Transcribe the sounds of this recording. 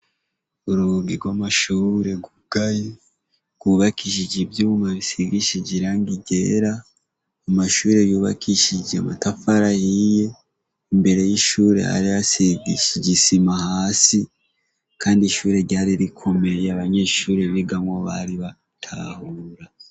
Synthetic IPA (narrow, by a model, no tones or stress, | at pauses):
uɾuɡiɾɡwamaʃuːɾe̞ɡuɡ̥aji | ɡ̥wuβakiʃid͡ʒivjuːβumaβisiɡiʃid͡ʒiɾaŋɡiɟe̞ɾa | amaʃuːɾe̞juːβa̰kʰiʃid͡ʒeamatafaɾahije̞ | imbe̞ɾe̞jiʃuːɾe̞̰ha̰ɾijasiɡiɟisimahaːsi | kaːndiʃuːɾe̞ɾɟaːɾiɾikʰo̞me̞jaβaɲe̞ːʃuːɾe̞βiɡamwoβa̰ɾiβa | tʰa̰huɾa